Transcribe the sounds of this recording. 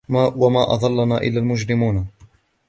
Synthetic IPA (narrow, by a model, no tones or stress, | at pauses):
wamaːʔɑ̰ðˤɑlːanaːʔɪ̰lːaːlmʊd͡ʒɾɪmuːn